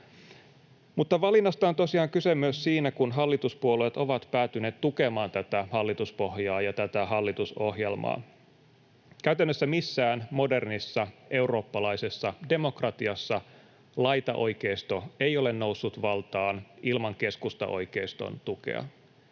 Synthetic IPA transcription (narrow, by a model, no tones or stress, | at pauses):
mut̪ːɑʋɑlinːɑst̪ɑont̪osiɑːŋkysemyøssiːnækunɦɑlːit̪uspuoluet̪oʋɑt̪pæːt̪yne̞ːt̪t̪ukemɑːnt̪æt̪æhɑlːit̪uspo̞hjɑːjɑt̪æt̪æɦɑlːit̪uso̞hjelmɑ̰ː | kæyt̪ænːøsːæmisːæːnmo̞de̞rnisːɑʔe̞uro̞ːpːɑlɑise̞sːɑde̞mo̞krɑt̪iɑsːɑ | lɑjt̪ɑʔo̞̰jkeist̪oejo̞le̞nno̞usːut̪ʋɑlt̪ɑːnʔilmɑŋke̞skust̪ɑ̰ʔo̞̰jkeist̪o̞̰nt̪ukḛɑ̰